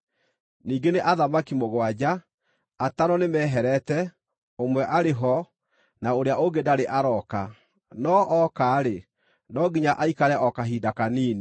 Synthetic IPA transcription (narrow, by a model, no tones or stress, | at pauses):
niːɡeneʔaðamakimoɣwad͡ʑa | ataɾɔnemɛːɦɛɾɛtɛ | omwɛʔaɾeɦɔ | naoɾeaoɡedaɾeʔaɾɔka | nɔʔɔkaːɾe | nɔɡiɲaʔaikaɾɛʔɔkaɦidakaniːni